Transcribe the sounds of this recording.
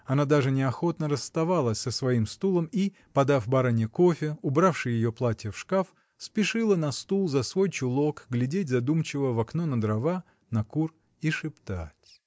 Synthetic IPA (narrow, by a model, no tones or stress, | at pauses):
ɐnad̪aʐɨnʲɪɐxo̞t̪nəɾəst̪ɐvalˠəsʲsəsvɐimst̪ulˠəmi | pɐd̪afbɐɾanʲɪəko̞fʲɪʊbɾafʂɨjɪjoplˠatʲɪjəfʂkaf | spʲɪʂɨlˠənɐst̪ulˠzɐsvo̞jt͡ɕʊlˠo̞kɡlʲɪdʲetʲzɐd̪umt͡ɕɪvəvɐknonəd̪ɾɐva | nɐkur | iʂɨpt̪atʲ